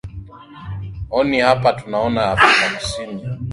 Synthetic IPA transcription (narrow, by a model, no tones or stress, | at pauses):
ɔnihapatunaɔnaapinakusini